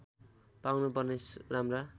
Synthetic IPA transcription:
pawnup̬ʌrnesramra

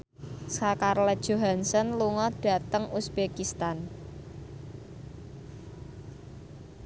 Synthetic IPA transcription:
sakarlɛd̥ʒ̥o̤ɦansənluŋɔd̥a̤t̪əŋusbekist̪an

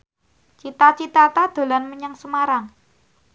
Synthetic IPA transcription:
t͡ʃit̪at͡ʃit̪at̪ad̪̥o̤lanməɲəŋsəmaɾaŋ

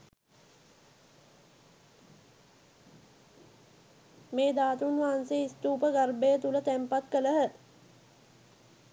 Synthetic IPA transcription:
meːd̪aːt̪unʋaɦanseːist̪uːpəɡarbejət̪ulət̪æmpat̪kələɦə

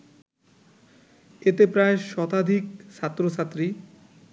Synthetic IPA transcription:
et̪epɾaeʃɔt̪ad̪ʱik̚ʃat̪ːɾoʃat̪ːɾi

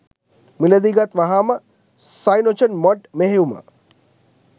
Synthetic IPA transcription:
milɐd̪iːɡat̪ʋɐɦaːmɐ | sajnot͡ʃɐnmɔʈmeɦejuma̰

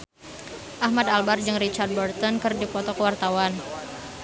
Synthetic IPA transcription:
ʔahmad̪albard͡ʒɨŋrit͡ʃard̪̚bɔrt̪ɔnkɨrdipɔt̪ɔkəwart̪awan

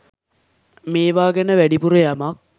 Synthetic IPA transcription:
meːʋaːɡenəʋæɖipuɾəjamak̚

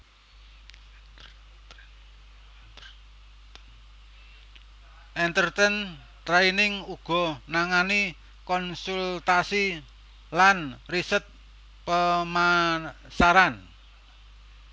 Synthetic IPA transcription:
ʔɛnt̪ərt̪ɛn | t̪ɾainɪŋuɡ̥ɔ̤naŋani | kɔnsult̪asi | lanrisət̪̚ | pəma | saɾan

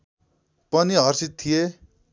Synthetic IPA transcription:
pʌniɦʌɾsitt̪ʰːije

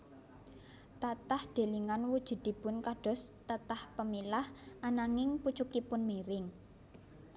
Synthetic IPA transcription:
t̪at̪ahɖ̪̥e̤liŋanwud̥ʒ̥ṳd̪̥i̤bʊnkaɖ̥ɔ̤st̪at̪ahpəmilahʔanaŋɪŋput͡ʃukipʊnmeɾɪŋ

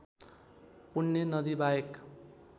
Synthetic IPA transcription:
punːenʌd̪ibajek

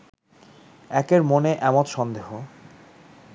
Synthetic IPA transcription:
ɛkeɾmoneʔɛmot̪ʃɔnd̪eɦo

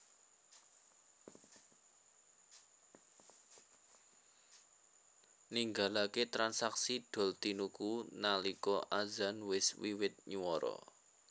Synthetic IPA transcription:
niŋɡalaket̪ɾansaksiɖ̥ɔ̤lt̪inukunalikɔʔazanwɪswiwɪt̪̚ɲuwɔɾɔ̰

